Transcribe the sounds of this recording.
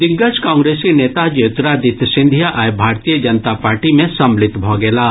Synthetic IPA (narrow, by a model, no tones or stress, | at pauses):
d̪ɪɡːəskãːŋɡɾeːskineːt̪ad͡ʒeːt̪ɾad̪ɪt̪sɪ̃nd̪ʱjaʔaːjbʱaːɾt̪ijəd͡ʒɐnt̪apaːɾʈimẽsɐmlɪt̪bʱoːɡɛːlaː